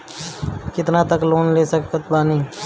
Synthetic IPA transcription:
kɪt̪nãt̪əkloːnleːsək̚kət̪baːniː

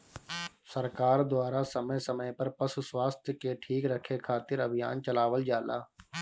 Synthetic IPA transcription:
səɾkaːɾd̪ʊaːɾasəməsəməjpəɾpəsuswaːst̪ʰjəkeʈʰiːkɾəkʰːekʰaːt̪ɪɾəbʱɪja̰ːnt͡ʃəlaːʋəld͡ʒaːla̰ː

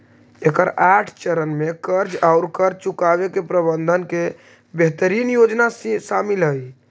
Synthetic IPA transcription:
ekəɾaʈʰt͡ʃəɾənmekəɾd͡ʒaʊɾkəɾd͡ʒt͡ʃukabekepɾəbənd̪ʱənke | beɦt̪əɾinjod͡ʒnassamilɦəj

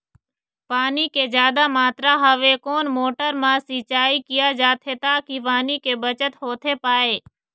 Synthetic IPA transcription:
paːniːkeːzjaːd̪amaːt̪ɾaːɦəʋeːkoːnmoːʈəɾmãːsiːt͡ʃaːikɪjad͡ʒaːt̪ʰeːt̪aːkiʋaːnikeːbət͡ʃət̪ɦoːt̪ʰeːpaːeː

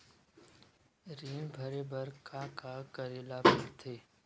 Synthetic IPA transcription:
ɾiːmbʱəɾebəɾkʰakakəɾeːlapɐɾt̪ʰeː

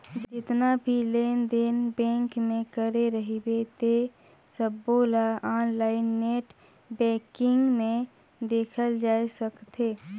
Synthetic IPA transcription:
d͡ʒd͡ʒɪt̪nabʱileːnd̪enbɛ̃ːŋkmẽkəɾeɾəɦibet̪e | səbːoːlaaːnlaːɪnːeːʈ | bɛ̃ːkɪ̃ŋɡmẽ | d̪eːkʰəld͡ʒaːesəkt̪ʰeː

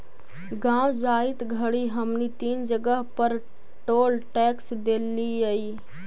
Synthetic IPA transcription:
ɡãːwd͡ʒaːit̪ɡʱəɽiɦəmnit̪iːnd͡ʒəɡəɦpəɾ | ʈoːlʈɛːksd̪eːliəi

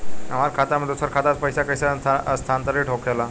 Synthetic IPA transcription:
a̰m̤aɾkʰat̪aməd̪usəɾkʰat̪at͡s̪pəjsakəjsaast̪ʰant̪əɾiːʈʰokʰala

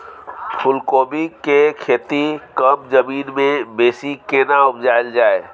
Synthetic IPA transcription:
pʰʊlkoːbikekʰeːt̪ikəmzəmiːnmẽbeːsikeːnaʊpd͡ʒaːld͡ʒaːeː

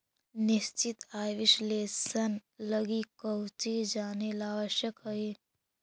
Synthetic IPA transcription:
nist͡ʃit̪aːjʋisleːsənləɡikəwt͡ʃid͡ʒaːnelaːʋəʃjəkɦəe

